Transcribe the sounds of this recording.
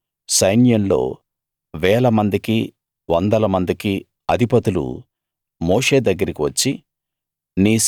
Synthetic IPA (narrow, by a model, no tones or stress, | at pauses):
sɐjnjɐmlo̞̰ː | ʋɛːlɐmɐnd̪iki | ʋɔnd̪ɐlɐmɐnd̪iki | ɐd̪ʱipɐt̪ulṵ | moːʂe̞ːd̪ɐɡːɐɾikiʋɐt͡ʃːi | niː